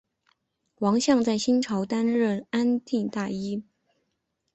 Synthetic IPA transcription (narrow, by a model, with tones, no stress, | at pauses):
wɑ˧˥ŋɕjɑ˥˧ŋt͡sa˥˩ɪɕi˥nʈ͡ʂʰɑ˧˥ʊt̪a˥nɻə˥˩na˥nt̪i˥˧ŋt̪a˥˩i˥